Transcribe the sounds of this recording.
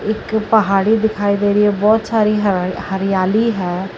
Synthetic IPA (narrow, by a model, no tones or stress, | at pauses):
ɪkpəɦaːɽiːd̪ɪkʰaːiːd̪eːɾɪeːbɔːt̪saːɾiːɦhəɾɪjaːliːɦɛː